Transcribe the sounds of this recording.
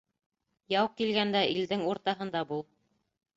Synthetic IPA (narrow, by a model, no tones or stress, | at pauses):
jɑwkːilɡænd̪æʔild̪ɘŋuɾt̪ɑɦɤ̆nd̪ɑbulˠ